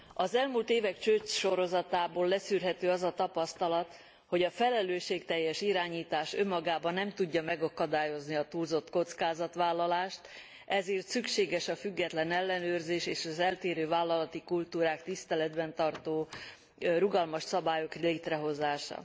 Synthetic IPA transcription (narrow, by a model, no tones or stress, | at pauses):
ɒzɛlmuːlt̪eːvɛkt͡ʃøt͡ʃʃo̞ɾo̞zɒt̪aːboːlːɛsyːrɦɛt̪øːɒzɒt̪ɒpɒst̪ɒlɒt̪ | ho̞ɟɒfɛlɛløːʃeːkt̪ɛjːɛʃiɾaːɲiːt̪aːʃø̞mːɒɡaːbɒnːɛmt̪uɟːɒmɛɡɒkɒd̪aːjo̞zniɒt̪uːlzo̞t̪ko̞t̪skaːzɒt̪ʋaːlːɒlaːʃt̪ | ʔɛzeːrt̪sykʃeːɡɛʃɒfyɡːɛt̪lɛnɛlːɛnøːrzeːʃeːʃɒzɛlt̪eːɾøːvaːlːɒlɒt̪ikult̪uːɾaːkt̪ist̪ɛlɛd̪bɛnt̪ɒrt̪oː | ruɡɒlmɒʃsɒbaːjo̞kleːt̪rɛɦo̞zaːʃɒ̰